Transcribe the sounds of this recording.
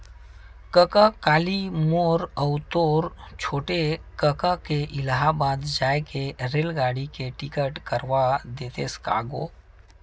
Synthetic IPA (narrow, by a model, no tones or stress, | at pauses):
kəkakaːlimoɾəwt̪oɾt͡ʃʰoːʈekəkakeʔɪlaɦabad̪d͡ʒaːjkeɾelɡaːɽikeʈikəʈkəɾʋad̪eːt̪eska̰ːɡo̰